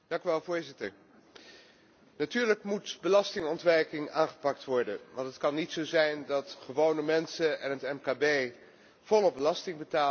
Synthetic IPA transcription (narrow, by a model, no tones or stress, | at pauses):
d̥ɑŋkyʋɛlˠvʊːɹzɪtəɹ | natyːɹləkmutbəlɑstɪŋɔntʋɛɹkɪŋaːχə̥pɑk̚tʋɔɹdəʋɑntɦətkɑnːitsowzɛjndɑtχəʋownəmɛnsəʔɛnɦətɛmkaːbej | v̥ɔlˠɔbəlɑstɪŋbətaː